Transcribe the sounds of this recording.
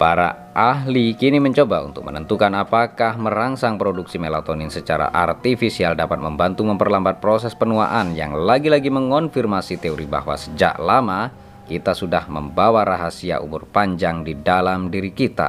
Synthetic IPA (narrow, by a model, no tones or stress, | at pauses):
paɾa̰ | aɦlikiniməɲt͡ʃobaṵnt̪ʊk̚mənənt̪ukanapakahməɾaŋsaŋpɾoduksimelat̪oninsət͡ʃaɾa̰ʔa̰rt̪ifisialdapat̪̚məmbant̪uməmpərlambat̪̚pɾosɛspənua̰ʔanja̰ŋlaɡilaɡiməŋɔnfirmasit̪eoɾiba̰ɦwa̰səd͡ʒa̰ʔlama | kit̪asudahməmbawaɾaɦasia̰ʔṵmʊrpaɲd͡ʒaŋdidalamdiɾikit̪a̰